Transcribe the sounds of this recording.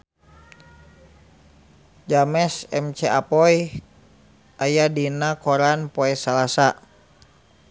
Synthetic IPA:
d͡ʒamɛsɛmt͡ʃɛʔapɔj | ʔajadinakɔɾanpɔɛsalasa

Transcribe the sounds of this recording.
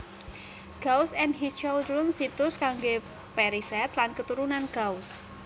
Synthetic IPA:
ɡ̥ausɛnɦist͡ʃɔwdɾʊnsit̪ʊskaŋɡe | pɛɾisɛt̪lankət̪uɾunanɡ̥aus

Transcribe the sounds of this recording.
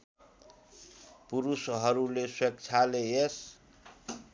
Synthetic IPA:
puɾusɦʌɾuleswekt͡ʃʰalees

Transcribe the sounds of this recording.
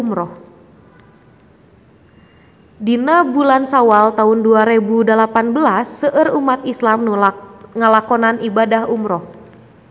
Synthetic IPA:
umɾɔh | dinabulansawalt̪aunduaɾɛbudəlapanbəlasːəʔərumat̪̚islam | ŋəlakɔnanibadahumɾɔh

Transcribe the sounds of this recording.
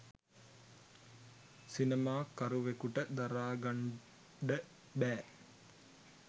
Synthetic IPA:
sinemaːkɐɾuʋekuʈəd̪ɐɾaːɡɐɳ | ɖə | bæː

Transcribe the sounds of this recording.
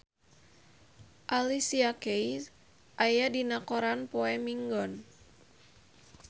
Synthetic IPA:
ʔalisiakei | ʔajadinakɔɾanpɔɛmiŋɡɔn

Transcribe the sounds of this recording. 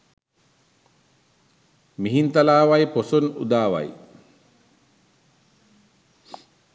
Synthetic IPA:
miɦint̪alaːʋajposunṵd̪aːʋa̰j

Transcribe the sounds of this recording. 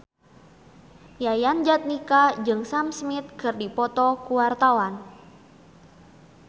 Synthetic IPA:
jajand͡ʒat̪̚nikad͡ʒɨŋsamsmɪt̪̚kɨrdipɔt̪ɔkuwart̪awan

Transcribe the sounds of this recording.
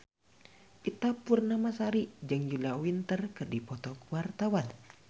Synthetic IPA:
ʔit̪apurnamasaɾid͡ʒɨŋd͡ʒulawint̪ərkɨrdipɔt̪ɔkuwart̪awan

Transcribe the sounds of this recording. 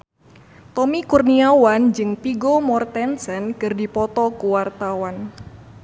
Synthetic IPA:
t̪ɔmikurniawand͡ʒɨŋpiɡomɔrt̪ɛnsɛnkɨrdipɔt̪ɔkuwart̪awan

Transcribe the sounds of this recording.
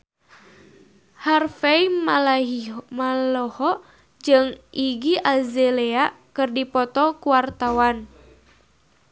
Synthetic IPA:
harfɛim | malɔhɔ | d͡ʒɨŋʔiɡiʔazɛlea | kɨrdipɔt̪ɔkuwart̪awan

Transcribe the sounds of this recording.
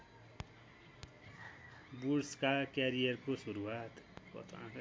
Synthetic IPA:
buɾskakeɾijʌrkosuɾuwat̪kʌ̰t̪ʰa̰

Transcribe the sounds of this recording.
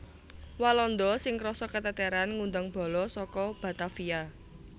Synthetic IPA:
walɔnd̪ɔsɪŋɾɔsɔkət̪ət̪ɛɾanŋund̪aŋb̥ɔ̤lɔsɔkɔb̥a̤t̪afia

